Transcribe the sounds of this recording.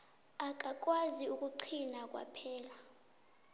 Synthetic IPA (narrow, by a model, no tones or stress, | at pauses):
ak̬ʼak̬ʼwaziuk̬ʼuǀʰinak̬ʼwa̰pʰɛːla